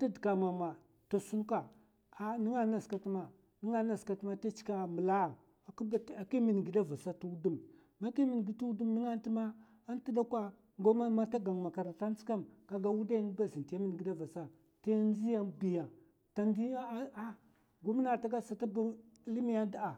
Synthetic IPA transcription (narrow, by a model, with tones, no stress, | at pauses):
ta˦di˨ka˨ma˨ma˨ | to˨su˦n˦ka˨ | a˦ni˦ŋa˦na˨ska˨ti˦ma˨ | ni˦ŋa˦na˨ska˨tma˦ta˦t͡ʃi̥˦ka˦mə˨la˦˨ | ka˨ki˦mi˨n˨ɡi˨da˦va˨sa˦tu˦u˦du˦m | ma˦ki˦mi˨n˨ɡi˨tu˦u˦du˦mni˦ŋa˦n˦ti˦ma˦ | a˦n˦ti˦da˦kʷa˦ | ŋɡo˦ma˦ma˦ta˦ɡa˨ŋ˨ma˨ka˨ɾa˨ta˦n˦t͡ska˦mka˨ɡa˦wu˦da˦jn˦ba˦zi˨nta˦mi˦nɡi˨da˦va˨sa˦ | ta˦n˦zi˦ja˦bi˨ja˨ | ta˨ndi˦ja˦a˦ | ɡu˦m˦na˨ta˦ɡa˦sa˨ta˦bu˦li˦mi˦ja˦da˦a˨